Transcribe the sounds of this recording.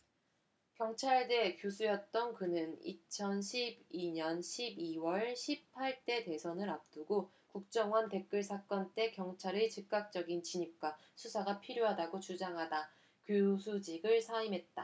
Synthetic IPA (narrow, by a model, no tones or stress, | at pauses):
kjʌŋt͡ɕʰaɭde̞kjosʰujʌt̚t͈ʌnkɯnɯnḭt͡ɕʰʌnɕʰibiɲʌnɕʰibiwʌɭɕʰip̚pʰaɭt͈e̞de̞sʰʌnɯɾap̚t͈uɡo | kuk̚t͡ɕ͈ʌŋwʌntek͈ɯɭsʰak͈ʌnt͈e̞kjʌŋt͡ɕʰaɾɯt͡ɕɯk̚k͈ak̚t͡ɕ͈ʌɡint͡ɕiɲip̚k͈wa | sʰusʰaɡapʰiɾjoɦadaɡot͡ɕud͡ʑaŋɦada | kjosʰud͡ʑiɡɯɭsʰaimɦe̞t̚t͈a